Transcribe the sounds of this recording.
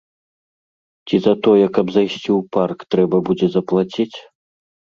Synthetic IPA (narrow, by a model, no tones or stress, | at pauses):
t͡sʲizɐt̪ɔjɛkɐbzajsʲt͡sʲiwparkt̪ɾɛbɐbud͡zʲɛzɐplˠat͡sʲit͡sʲ